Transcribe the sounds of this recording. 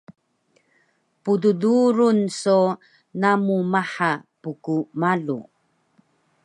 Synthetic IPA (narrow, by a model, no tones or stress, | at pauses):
pududuɾunso | namumaħapukumaɮṵ